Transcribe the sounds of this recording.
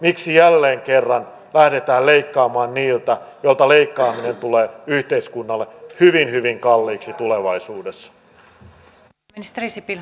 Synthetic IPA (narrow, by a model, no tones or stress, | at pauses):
miksijælːeːŋkerːɑn | læhdet̪æːlleikːɑːmɑːnniːlt̪æjolt̪ɑleikːɑːminent̪uleːyht̪eiskunːɑlːehyʋinhyʋiŋkɑlːiːksit̪uleʋɑisuːdesːɑ̥ | nist̪risipi